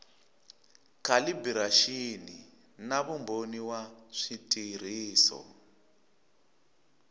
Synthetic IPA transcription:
kʰalibiɾaʃini | naβumboniwaʂitʼir̤iːsɔ̰

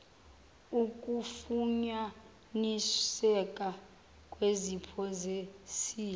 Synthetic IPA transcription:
ukʼufuɲa | nisɛkʼa | kʼwezipʰɔzesiː

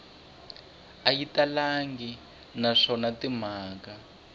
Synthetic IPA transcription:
ajitalaŋɡi | naʂɔnatim̤aːka

